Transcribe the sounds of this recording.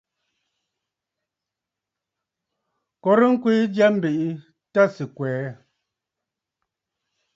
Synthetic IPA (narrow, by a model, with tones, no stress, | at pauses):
kɔ˨ɾi˦ŋ̩˦kwi˦dja˦m̩˦˨bi˨ʔi˦ | ta˦si˨kwɛː˨˦